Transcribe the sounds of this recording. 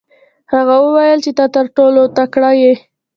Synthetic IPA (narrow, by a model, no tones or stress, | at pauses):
haɣawəwajəlt͡ʃet̪at̪əɾʈolot̪akɽɑje